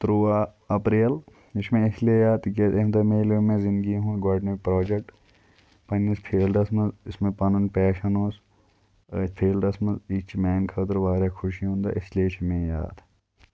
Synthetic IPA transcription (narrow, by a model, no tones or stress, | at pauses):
t̪ɾuːaː | ɐpɾiːl | ɪt͡ʃʰmẽɪsliejaːd̪ɡet̪emd̪ɐmẽːlomẽːzɪ̃nd̪ɡiɦũːɡaːɖnepɾoːd͡ʒek̚ʈ | pɐnispʰeːlɖɐsmɐnzɪsmẽpɐnɐnpɛːʃɐnoːs | pʰeːlɖɐsmɐnzit͡ʃʰmɛːnkʰɐt̪ɾʋaːɾjaːkʰʊʃiɦõːnd̪a̰ːʔɪslieɪt͡ʃʰmẽja̰ːt̪